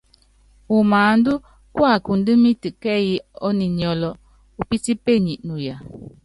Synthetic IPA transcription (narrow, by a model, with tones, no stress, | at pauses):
u˨maː˨n̩˦du˦ | kwa˦˨ku˨n˦dɨ˦mi˦tɨ˨kɛ˦ji˦ɔ˦ni˨ɲɔ˨lɔ˨ | u˨pi˦ti˦pe˦˨ɲi˨ʔnu˨ja˨